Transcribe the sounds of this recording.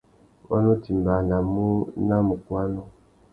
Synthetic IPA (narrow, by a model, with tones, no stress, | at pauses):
ɔ̰˦nu˦ti˨m˨ba˨na˨mu˦na˦mu˨kwa˦nɔ˦